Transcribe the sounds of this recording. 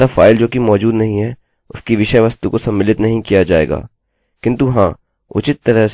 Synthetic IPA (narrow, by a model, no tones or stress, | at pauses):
afaːɪld͡ʒoːkimɔːd͡ʒuːd̪nɐɦĩɦɛ | ʊskiʋɪʃəʋɐst̪ukosɐmːɪlɪt̪nɐɦĩkijad͡ʒa̰ːḛːɡa̰ː | kɪ̃nt̪uɦãː | ʊ̰t͡ʃɪt̪ːɐɾəɦs